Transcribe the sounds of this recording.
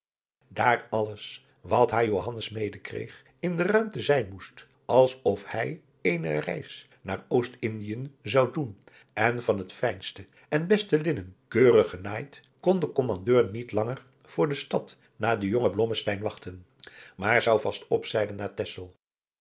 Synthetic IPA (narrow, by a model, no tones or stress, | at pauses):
daːɹɑləs | ʋɑtɦaːjowɦɑnəsmejdəkrḛjχ | ɪndərœɥmtəzɛjnmust | ʔɑlˠsɔfhɛj | ejnərɛ̰js | na̰ːɹowstɪndijənzɑwdun | ɛnvɑnɦətfɛjnstə | ɛnbɛstəlɪnənkøːrəχənaːjt | kɔndəkɔmɑndøːɹnitlɑŋəɹ | v̥ʊːɹdəstɑt | naːdəjoŋəblɔməstɛjnʋɑχtən | maːɹzɑwvɑstɔpsɛjdənːaːɹtɛsəlˠ